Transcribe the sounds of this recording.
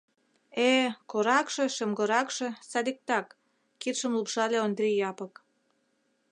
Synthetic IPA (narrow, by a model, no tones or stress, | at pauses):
ekoɾɑkʃĕʃə̆mɡɤ̆ɾɑkʃĕsɑd̪ik̚t̪ɑkː | it̪ʃə̆mlupʃɑlʲeond̪ɾʲijɑpə̆k